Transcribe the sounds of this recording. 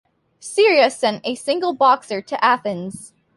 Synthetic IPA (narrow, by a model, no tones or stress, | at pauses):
sɪɹiɨsɛ̃ntɨsɪ̃ŋɡl̩ˠbɑksə˞ɾɨʔæθɨ̃nz̥